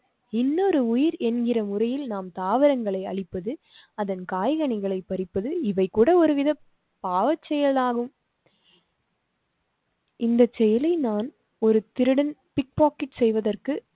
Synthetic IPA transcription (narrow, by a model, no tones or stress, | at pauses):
ɪnːɔɾɯʊjɪɾɛnɡɪrɐmʊrɐjɪlnaːmt̪aːʋɪɾɐŋɡɐɭɐɪɐ̰ɭɪpːɐðɯ | ɐðɐnkaːjɣɐɳɪɣɐɭɐɪpːɐɾɪpːɐðɯɪʋɐɪkːuːɽɐɔɾɯʋɪðɐ | paːʋɐt͡ʃːɛjɐlaːɣɯm | ʔɪnd̪ɐt͡ʃːɛjɐlɐɪnaːn | ɔɾɯt̪ɪɾɯɽɐnpɪk̚paːkɪʈsɛjʋɐðɐrkɯ